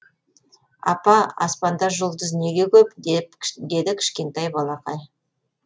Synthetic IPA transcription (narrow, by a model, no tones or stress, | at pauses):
ɑ̰pɑɑ̰spɑnd̪ɑʒolˠd̪əzne̞ɡʲe̞kʲʰɵp̪ | d̪e̞d̪ɪkʲʰɪ̥ʃkʲe̞nt̪ɑjbɑlˠɑqɑj